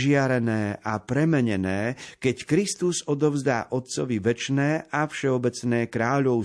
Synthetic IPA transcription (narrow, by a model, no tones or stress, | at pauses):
ʒɪaɾɛnɛːʔapɾɛmɛɲɛnɛːkɛckɾist̪uzɔd̪ɔʊzd̪a̰ːʔɔt̪̚t͡sɔʋiʋɛt͡ʃnɛːʔafʃɛɔbɛt͡snɛːkɾaːʎɔʊ